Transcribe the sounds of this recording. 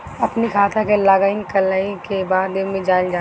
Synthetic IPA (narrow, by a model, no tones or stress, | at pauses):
ɐpnikʰaːt̪ʰakelaːɡainkəlaikebaːd̪ːɪnmẽd͡ʒaːld͡ʒaː